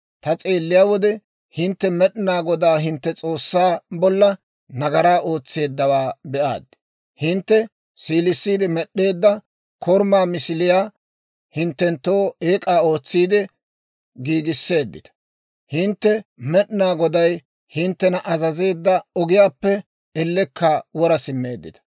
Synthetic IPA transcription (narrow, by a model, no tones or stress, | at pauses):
t̪ɐt͡sʼe̞ːlːɪjaːwɔd̪ɛ | hɪnt̪ːɛmɛɗɪnaːɡɔd̪aːɦɪnt̪ːɛt͡sʼo̞ːsːaːbɔlːɐ | nɐɡɐɾaːʔo̞ːt͡sːe̞ːd̪ːɐwaːbɛʔa̰ːd̪ːɪ̥ | hɪnt̪ːɛ | siːlɪsːiːd̪ɪmɛɗːe̞ːd̪ːɐ | kʰɔɾmaːmɪsɪlɪjaː | hɪnt̪ːɛnt̪ːoːeːkʼaːo̞ːt͡sːiːd̪ɪ | ɡiːɡɪsːe̞ːd̪ːɪ̰t̪ɐ̥ | hɪnt̪ːɛmɛɗnaːɡɔd̪ɐj | hɪnt̪ːɛnɐʔɐzɐze̞ːd̪ːɐɔɡɪjaːpːɛ | ɛlːɛkːawɔɾɐsɪmːe̞ːd̪ːɪ̰t̪ɐ̥